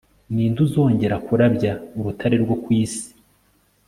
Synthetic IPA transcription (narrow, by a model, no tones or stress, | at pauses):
niːnduzo̞ːɲɟe̞ɾakuɾabɟauɾutʰaɾeɾɡo̞kwiːsi̥